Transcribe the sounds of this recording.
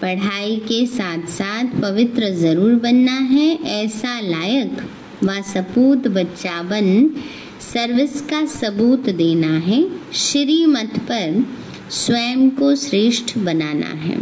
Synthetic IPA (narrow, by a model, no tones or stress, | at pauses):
pɐɽ̤aːikesaːt̪ʰsaːt̪ʰpɐʋɪt̪ɾəzɐɾuːɾbɐnːaɦɛʔɛːsalaːjək | ʋasɐpuːt̪bɐtːʃaːʋən | sɐɾʋɪskasɐbuːt̪d̪eːnaɦɛʃɪɾiːmət̪pɐɾ | sʋɛːmkosɾeːʃʈʰbɐnaːna̰ɦɛ̰ː